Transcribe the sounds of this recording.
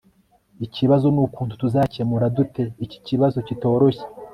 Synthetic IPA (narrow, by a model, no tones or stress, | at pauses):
iciβazo̞nukuːntu̥tuzaːcemuɾadute̞ici̥ciβazo̞cito̞ːɾo̞çe̥